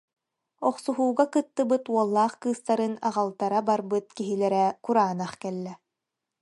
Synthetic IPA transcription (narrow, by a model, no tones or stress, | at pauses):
ɔχsuɦuːɡakɯt̪ːɯbɯt̪uɔlˠːaːχkɯːst̪aɾɯna̰ʁalˠt̪aɾabaɾbɯt̪̚kiɦilɛɾɛkuɾaːnaχkɛlːɛ